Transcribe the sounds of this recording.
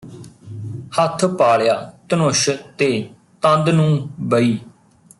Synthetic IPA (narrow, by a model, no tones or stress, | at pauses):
hət̪ʰpaːɭjaːt̪ənʊʃt̪eː | t̪ə̃nd̪nũːbəiː